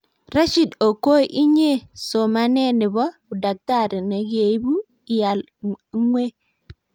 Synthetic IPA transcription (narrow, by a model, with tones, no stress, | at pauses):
ɾa˦ʃi˨do˨ko˦ʔi˦ɲe˦so˨ma˦ne˦ni˨bɔ˦u˨da˨k̚ta˦˨ɾi˨na˨ɡe˨˦bu˦ | i˨ja˨l | ŋwe˦